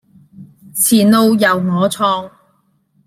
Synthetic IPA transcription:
t͡sʰiː˨˩nlo˧wjɐ˨wŋɔː˨˧t͡sʰɔː˧ŋ

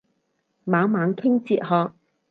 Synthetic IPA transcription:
maː˨˥wmaː˨˧ŋt̪ʰɪ˥ŋt͡siː˧t̚hɔː˨˧k̚

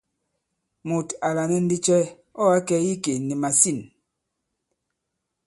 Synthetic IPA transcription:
mu˨ta˨la˨nɛ˦n̩˦di˦t͡ʃɛ˦ | ɔ˦a˦kɛ˦ji˦ke˨ni˨ma˨si˦˨n

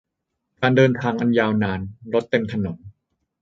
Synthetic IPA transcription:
kaː˧ndɤː˧nt̪ʰaː˧ŋʔa˧njaː˧wnaː˧nɾo˦˥t̪ːe˧mt̪ʰa˧no˩˦n

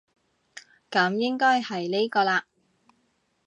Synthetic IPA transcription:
kɐ˨˥mjɪ˥ŋkɔː˥jhɐ˨jle˥jkɔː˧laː˧

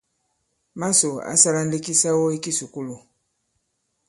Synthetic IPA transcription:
ma˦so˨a̰˦sa˦la˦n̩˦de˦ki˦sa˦wo˦i˦ki˦su˨ku˦lu˨

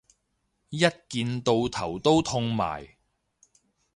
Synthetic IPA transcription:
jɐ˥t̚kiː˨nt̪o˧wt̪ʰɐ˨˩wt̪o˥wt̪ʰʊ˥˧ŋma̰ː˨˩j

